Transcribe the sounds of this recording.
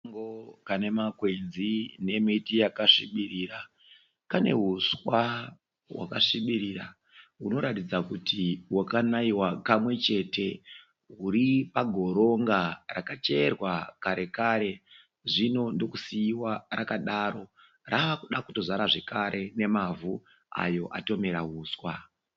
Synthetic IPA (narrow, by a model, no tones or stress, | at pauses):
ŋɡokane̞makwed͡zine̞mitijakaʂiɓiriːɾa | kane̞̰ɦuswa | wa̰kaʂiɓiɾiɾa | ɦuno̞ɾatid͡zakutʰiwakanaiwakamwe̞t͡ʃe̞te̞ | ɦuɾipaɡʱo̞ɾo̞ŋɡarakat͡ʃe̞rwakaɾe̞kaɾe̞ | ʐino̞ndo̞kusiiwarakaɗaɾo̞ | raʋakuɗakuto̞zaɾaʐe̞kaɾʔe̞ne̞mavu | a̰jo̞ʔa̰to̞me̞ɾaɦuːswa